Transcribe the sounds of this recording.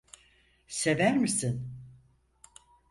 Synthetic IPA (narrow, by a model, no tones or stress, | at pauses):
se̞væɾmisin